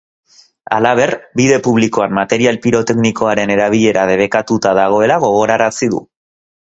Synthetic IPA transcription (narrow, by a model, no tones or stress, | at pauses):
a̰laβe̞rbiðe̞puβ̞liko̞anmat̪e̞ɾialpiɾo̞t̪e̞kniko̞aɾe̞ne̞ɾaβ̞iʎe̞ɾað̞e̞βe̞kat̪ut̪aðaɣ̞o̞e̞laɣ̞o̞ɣ̞o̞ɾaɾasiðṵ